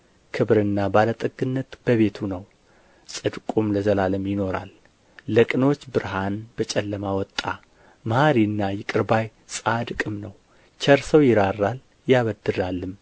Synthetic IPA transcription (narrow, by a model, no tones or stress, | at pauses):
kʰɨβɾɨnːabalət̪ʼɨɡɨnːət̪b̥əβe̞t̪ʰunəw | sʼɨd̪kʼumləzəlaləmjɪno̞ɾa̰lː | əkʼɨno̞t͡ʃːbɨɾɦanbət͡ʃʼɛlːəmawɔt̪ʼːa | məhaɾiɨnːajɪkʼɨɾbaj | sʼad̪kʼɨmnəw | t͡ʃʰəɾsəwjɪɾarːal | jaβəd̪ɨɾalːɨm